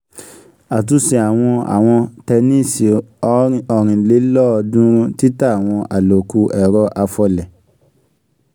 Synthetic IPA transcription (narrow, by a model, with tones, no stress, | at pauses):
a˨t̬u˧si˨a˨w̃ɔ̃˧a̰˨w̃ɔ̃˧tɛ˧nĩ˦˨si˨ɔ˨˦ɔ˨ɾ̃ĩ˨le˨˦lɔ˦˧dũ˦ti˦ta˦a˨w̃ɔ̃˧ʔa˨lo˨ku˧˦ʔɛ˨ɾɔ˧˦ʔa˧fɔ˧lɛ˨